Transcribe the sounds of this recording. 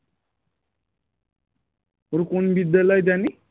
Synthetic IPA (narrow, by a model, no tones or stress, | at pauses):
oɾukonbid̪ːəlajd͡zani